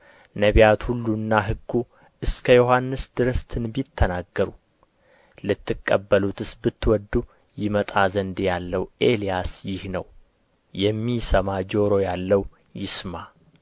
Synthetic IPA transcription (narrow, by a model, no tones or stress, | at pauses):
nəβijat̪hulːunːaɦɨɡːu | ʔɨskʰəjo̞ɦanːɨsd̪ɨɾəst̪ʰɨnbit̪ʰːənaɡːəɾu | lɨt̪ːɨkʼːəbːəlut̪ʰɨsbɨt̪ʰːwɔd̪ːu | jɪmət̪ʼazənd̪jalːəwʔe̞lijasjɪhnəw | jɛmːisəmad͡ʒo̞ɾo̞jalːəw | jɪsma